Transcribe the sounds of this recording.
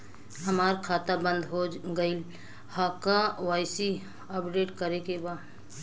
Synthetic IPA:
ɦəmaːɾkʰaːt̪abə̃nd̪ɦod͡ʒɡəɪl | hakawaːjsi | əpɖeːʈkəɾekeba

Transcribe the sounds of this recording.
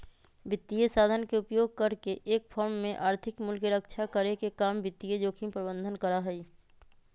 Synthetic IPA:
bɪt̪ːijesaːd̪ʱənkeʊpjoːɡ̚kəɾkeʔeːk̚pʰɔɾmːẽʔaːɾt̪ʰɪkmʊlkeɾəkt͡ʃʰakəɾekekaːmbɪt̪ːijed͡ʒoːkʰimpɾəbə̃nd̪ʱənkəɾaɦɛi

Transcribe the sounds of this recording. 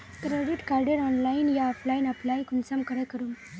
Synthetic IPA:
kɾeɖiʈkaɾɖeɾɔnlajinjaɔpʰlajinaplajkunsamkəɾəkəɾum

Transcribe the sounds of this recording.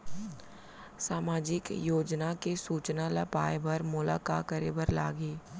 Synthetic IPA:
saːmaːd͡ʒɪkjoːd͡ʒnakesuːt͡ʃnalɐpaːebɐɾmʊla̰ːka̰ːkəɾebəɾla̰ːɡeː

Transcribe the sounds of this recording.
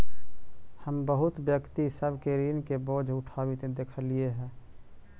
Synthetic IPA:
həmbəɦʊt̪bjəkt̪isəbʱkeɾiːnkeboːd͡ʒʱʊʈʰaːwit̪ed̪eːkʰəlieɦɛ̃ː

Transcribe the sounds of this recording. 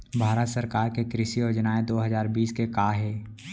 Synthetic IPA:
bʱaːɾət̪səɾkaːɾkekɾɪsiod͡ʒənaːed̪oːɦɐzaːɾbiːskekaːɦɛː

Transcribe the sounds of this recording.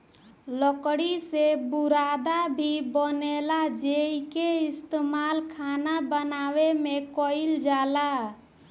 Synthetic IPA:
ləkɽisebuɾad̪abʱibənelad͡ʒeikeist̪emalkʰanabənawemekɔld͡ʒala

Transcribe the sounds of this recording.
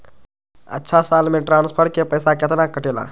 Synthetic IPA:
ɐ̰tːʃʰasaːlmẽʈɾaːnspʰəɾʈ̚kepəjsaket̪ənakːəʈela̰ː

